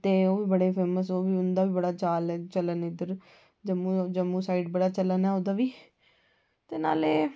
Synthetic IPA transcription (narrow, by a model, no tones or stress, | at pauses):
t̪eːoːʋiːbəɽeːpʰeːməs̬oːʋiːʊnd̪aːʋiːbəɽaːt͡ʃaːlɛːt͡ʃələnɪd̪əɾ | d͡ʒəmũːd͡ʒəmũːsaːiːʈbəɽaːt͡ʃələnɛːod̪aːʋiː | t̪eːna̰ːleː